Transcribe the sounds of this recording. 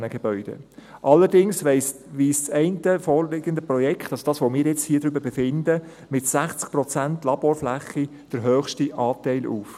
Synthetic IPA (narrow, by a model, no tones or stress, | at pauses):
nəɡ̥ɛb̥œʏd̥ə̰ʔɑlːəɾdɪŋsʋɛɪsʋiːst͡sɛɪntəfɔːrlɪɡ̥əndəpɾɔjɛkʰχtɑlsod̥ɑːsʋomɪːɾjɛt͡shiːd̥ɾʏbəɾbɛfɪnd̪ə | mɪtsæχt͡sk̚pɾɔt͡sæntlɑb̥oːɾflæχi | d̥əɾɦœːχʃtiʔɑːtɛɪlʔuːf